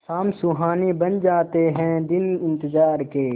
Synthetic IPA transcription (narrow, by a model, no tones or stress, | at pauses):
saːmsʊɦaːnibɐnd͡ʒaːt̪eɦɛ̃d̪ɪnɪ̃nt̪ɪzaːɾkeː